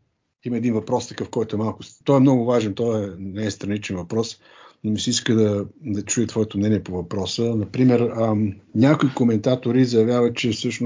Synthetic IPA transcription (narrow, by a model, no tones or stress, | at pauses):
iməɛd̪invɐpɾɔst̪ɐ̥kəfkɔjt̪oɛmalˠkʊst̪ɔɛmnɔɡʊvaʒɛnt̪ɔɛnɛɛst̪ɾɐnit͡ʃɛnvɐpɾɔs | nomisiiskəd̪ɐd̪ɐt͡ʃujət̪vɔɛt̪omnɛniɛpovɐpɾɔsənɐpɾimɛɾənʲakoikomɛnt̪at̪oɾizɐjɐvjavət̪̚t͡ʃɛfsɤʃn